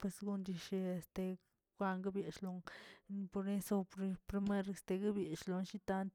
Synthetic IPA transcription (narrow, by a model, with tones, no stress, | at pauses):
pwe˧sɡu˦ndi˧ʃe˧e˨st̪e˧ | ɡʷa˦ŋɡa˦bje˨ʃlo˧ŋni˧po˧ɾne˦so˧pɾpɾi˧me˦ɾe˨st̪e˧ɡa˦bje˨ʃlo˨˧nʃi˦t̪a˦nt̪